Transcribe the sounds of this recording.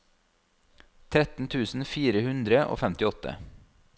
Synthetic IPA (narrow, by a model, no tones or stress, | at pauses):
t̪ʰɾɛt̪n̩t̪ʰʉːsn̩fiːɾəhʉnd̪ɾəʔo̰ːfɛmt̪ɪɔt̪ʰə̰